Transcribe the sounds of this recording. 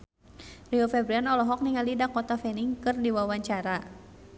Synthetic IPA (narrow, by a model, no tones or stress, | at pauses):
riɔfɛbɾianɔlɔɦɔk̚niŋalidakɔt̪afɛniŋkɨrdiwawaɲt͡ʃaɾa